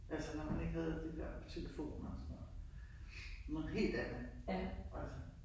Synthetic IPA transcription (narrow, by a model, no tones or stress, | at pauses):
ʔælsənɒmæne̝ɡ̥ɦɛð̞̩ˠd̥id̥ḛɐ̰t͡sʰe̝lefo̝̰ːnɒsɒnːɒð̩ˠ | nɔ̽ːð̩ˠɦe̝̰ːld̥æd̥əʔælsə